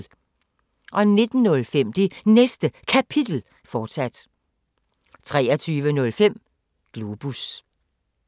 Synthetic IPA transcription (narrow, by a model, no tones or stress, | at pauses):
ʔɒ̽ne̝d̥n̩ːɔ̽lfem̰d̥inesd̥əkʰæpʰid̥l̩ | fɒːd̥sæd̥ | t͡sʰʁɛːɐt͡sʰyːʋənɔ̽lfem̰ | ɡ̥lub̥us